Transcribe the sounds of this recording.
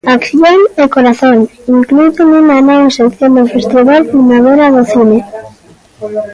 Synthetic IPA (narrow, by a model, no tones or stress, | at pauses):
akθjoŋekoɾaθoŋiŋklujt̪enunanawesekθjond̪efust̪ɾiɣaɾpɾimaβeɾaðoθine